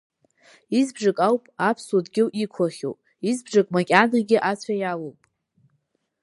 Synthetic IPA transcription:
izbʐakʼawpʼapʰswodɡʲɪwʔikʷʰaχʲo̰wpʼ | izbʐakʼmakʲʼanaɡʲɪʔat͡ɕʷʰajalowpʼ

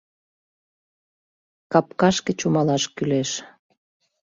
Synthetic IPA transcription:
kɑp̚kɑʃket͡ɕumɑlɑʃkyleʃ

